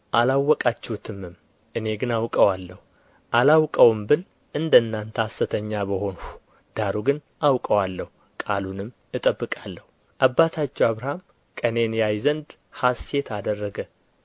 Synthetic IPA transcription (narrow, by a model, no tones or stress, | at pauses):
ʔalawːɔkʼat͡ʃːɛhut̪ʰɨmːɨm | ʔɨne̞ɡɨnawkʼəwalːəhu | ʔalawkʼəwɨmbɨl | ɨnd̪ənːant̪ʰəsːɨt̪ʰəɲːabəho̞nhu̥ | d̪̥aɾuɡɨn | ʔawkʼəwalːəhu | kʼalunɨmː | ɨt̪ʼəbːɨkʼalːəhu | ʔabːat̪ʰat͡ʃːɛwaβɾam | kʼəne̞njajzənd̪ | hase̞t̪ʰad̪ərːəɡə